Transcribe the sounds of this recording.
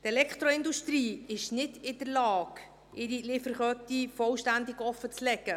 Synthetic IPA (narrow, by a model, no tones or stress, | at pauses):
t̪ɛlɛkχt̪ɾoɪnd̪uʃtriːɪʃnɪdɪd̥əɾlɑːɡ | ɪɾilɪfəɾχœtifɔlʃtændɪɡɔfət͡slɛɡə